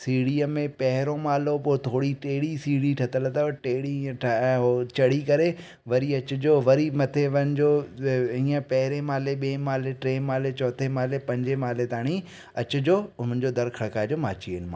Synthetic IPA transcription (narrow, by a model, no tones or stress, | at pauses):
siːɽiːəmẽpɐɦɪɾõmaːlopoːt̪ʰoːɽiʈeːɽisiːɽiʈʰɐt̪ələt̪aʈeːɽiiə̃ʈʰɦot͡ɕɐɽikɐɾe | ʋɐɾiɐt͡ɕʊd͡ʑoʋɐɾimɐt̪ʰeʋɐnɪd͡ʑoːɦĩːə̃pɐɦɪɾemaːleɓeːmaːleʈɾeːmaːlet͡ɕɔːt̪ʰemaːlepɐ̃ɲd͡ʑemaːlet̪aːɽ̃i | ɐt͡ɕʊd͡ʑoːʊn̤ənd͡ʑod̪ɐɾkʰɐɽkaːd͡ʑoːmaːt͡ɕiənɪ̆ma̰ː